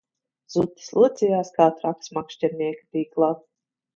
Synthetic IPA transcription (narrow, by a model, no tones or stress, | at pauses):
z̥ut̪ːi̥slˠuɔt̪sʲijaːskaːt̪ɾaksmakʃtʲɛɾnʲiɛkʲi̥p̪ʲiːklˠat̪